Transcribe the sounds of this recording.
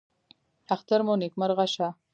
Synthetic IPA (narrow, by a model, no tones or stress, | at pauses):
axt̪aɾmonekmaɾɣaʃa